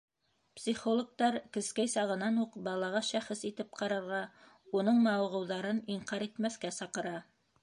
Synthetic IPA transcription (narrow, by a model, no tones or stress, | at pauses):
psʲiχolˠok̚t̪ɑɾkɘ̆skæjsɑʁɤ̆nɑnuqbɑlˠɑʁɑʃæχɘsit̪ɘp̚qɑɾɑɾʁɑ | unɤɴmɑwʁɤ̆wðɑɾɤniɴqɑɾit̪mæθkæsɑqɤ̆ɾɑ